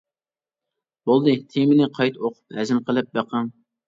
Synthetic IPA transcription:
bolˠd̪ɨt̪ʰemɪnɪqʰɑjt̪ʰoqʰʊ̥phɛzɪmqʰəlˠɨp̚bæqəŋ

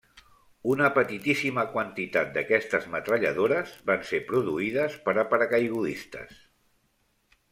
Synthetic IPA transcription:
unəpət̪it̪isiməkwənt̪it̪at̪̚d̪əkɛst̪əzmət̪ɾəʎə̰ðoɾəzbansepɾuðuiðəspəɾəpəɾəkajɣuðist̪ə̰s

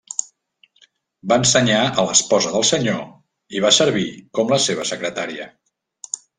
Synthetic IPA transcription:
baənsəɲaələspɔzəðəlˠsəɲo | iβ̞asəɾβ̞ikɔmləseβ̞əsəkɾət̪aɾiə

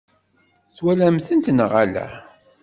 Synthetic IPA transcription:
θwælæmθənt̪nəʁalæ̰

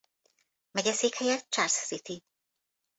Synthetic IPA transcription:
mɛɟɛseːkhɛjɛt̪̚t͡ʃarsːit̪i

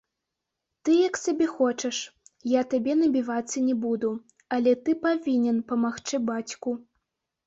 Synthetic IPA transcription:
t̪ɨjɐksabʲɛxɔt͡ʂɐʂjat̪abʲɛnɐbʲivat̪sːɐnʲɛbud̪u | ɐlʲɛt̪ɨpavʲinʲɛnpɐmaxt͡ʂɨbat͡sʲku

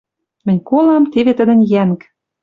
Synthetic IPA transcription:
mɘ̆nʲkolɑmt̪eβet̪ə̆d̪ə̆nʲjæŋk

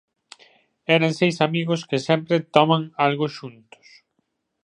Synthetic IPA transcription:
ɛɾɐŋsejsamiɣʊskɪsɛmpɾɪt̪ɔmaŋalɣʊʃunt̪ʊ̥s

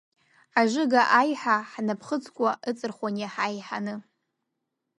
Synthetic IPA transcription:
aʐʷɨɡaʔajħaħnapʰχət͡sʰʼkʷʼaʔɨt͡sʼɨrχʷanjaħajħanɨ

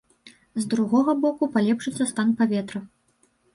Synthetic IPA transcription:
zd̪ɾuɣɔɣɐbɔkupalʲɛpʂɨt̪sːɐst̪anpavʲɛt̪ɾɐ

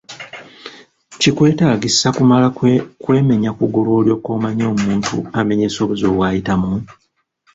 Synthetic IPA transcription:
cikwe̞ːtaːɡisakumalakwe̞ːme̞ɲakuɡulwo̞ːljo̞ːko̞ːmaɲo̞ːmuːntṵame̞ɲe̞ːso̞βuzo̞ːβwaːjitamu

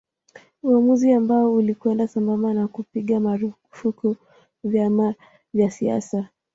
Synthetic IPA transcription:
uamuziambaɔulikwɛndasambamanakupiɠamaɾu | fukɔ | vjama | vjasia̰sa

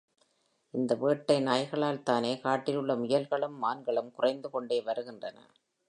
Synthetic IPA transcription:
ʔɪnd̪ɐʋeːʈːɐɪnaːjɣɐɭaːlt̪aːneːkaːʈːɪlɯɭːɐmʊjɐlɣɐɭɯmːaːnɡɐɭɯmkʊrɐɪnd̪ɯkɔɳɖeːʋɐɾɯɣɪndrɐnɐ̰

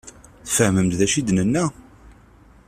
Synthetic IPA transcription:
θfəhməmt̪ðæʃid̪nənːæ

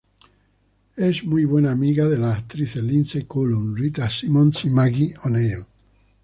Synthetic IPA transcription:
ezmujβwenaːmiɣaðelaːkt̪ɾiθelinsekolunrit̪asimõnsimaɣioneo

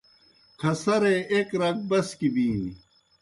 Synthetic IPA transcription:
kʰɐsɐɾeʔekɾɐk̚bɐskibĩː

